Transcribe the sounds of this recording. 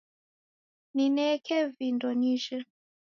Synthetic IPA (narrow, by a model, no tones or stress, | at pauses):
ninɛkʰɛvindɔniʒɛ